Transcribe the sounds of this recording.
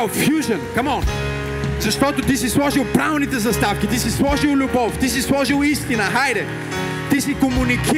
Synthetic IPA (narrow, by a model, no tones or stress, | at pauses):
fjuʒənkɐmɔn | zɐʃt̪ɔt̪ot̪isislˠɔʒilˠpɾavɛlˠnit̪ɛzɐst̪afk̟ʲit̪isislˠɔʒilˠlʲʊbɔft̪isislˠɔʒilˠist̪inəxajɾɛ | t̪isikomuniki